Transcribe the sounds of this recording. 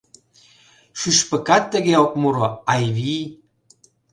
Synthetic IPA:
ʃyʃpə̆kɑt̪ːə̆ɣeokmuɾoɑjβij

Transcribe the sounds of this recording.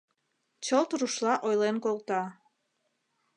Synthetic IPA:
t͡ɕəlt̪uɾuʃlɑʔojlenkolt̪ɑ

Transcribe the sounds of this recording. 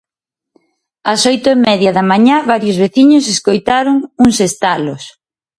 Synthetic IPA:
ɐsɔjt̪ʊemɛðjɐðɐmaɲaβaɾjʊzβeθiɲʊseskojt̪aɾʊŋuŋsest̪alos

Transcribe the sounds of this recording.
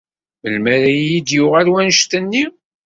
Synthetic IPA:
məlmæɾæjid̪jʊʁælwænʃt̪ənːi

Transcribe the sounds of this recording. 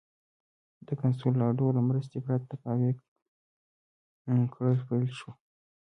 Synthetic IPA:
d̪̥əkans̬olːɑɖolamɾəst̪epɾat̪ːapɑwe | kʰɽəlpajlʃo

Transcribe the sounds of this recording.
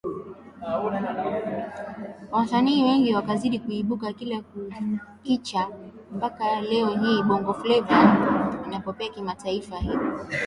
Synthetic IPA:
wasaniːwɛŋɡiwakaziɗikuiɓukakila | kit͡ʃa | mpakalɛɔɦiːɓɔŋɡɔflɛvainapɔpɛakimataifahilɔ

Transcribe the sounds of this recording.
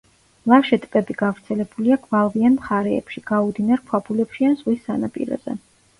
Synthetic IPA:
lˠafʃɛt̪ʼpʼɛbiɡavɾt̪sʰɛlɛbuliaɡvalˠvianmχaɾɛ̰ːpʃiɡ̥aud̪inaɾpʰwabʰulɛpʃianz̥ʁwisːanapʼḭɾɔ̰zɛ̰

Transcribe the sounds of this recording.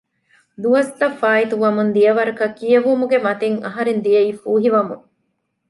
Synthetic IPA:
d̪uɐst̪ɐfːaːit̪uʋɐmund̪ijɐʋɐɾɐkɐkijɐʋumuɡemɐt̪eŋɐ̰ɦɐɾend̪ijɐiːfuːɦiʋɐmṵŋ

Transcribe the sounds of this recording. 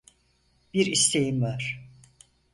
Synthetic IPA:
b̥iɾist̪ʰe̞jimvaɾ̥

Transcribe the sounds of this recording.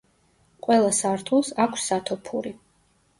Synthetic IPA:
qʼwɛlˠasaɾt̪ʰulˠsakʰsːat̪ʰɔpʰuɾi

